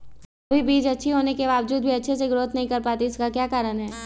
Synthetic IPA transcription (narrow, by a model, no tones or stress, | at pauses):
ɐbʱibiːd͡ʒɐtːʃʰiɦoːnekeʋaːʋd͡ʒuːd̪̚bʱiɐtːʃʰeseɡɾoːt̪nɐɦĩkɐɾpaːt̪iɪskakjaːkaːɾənɦɛː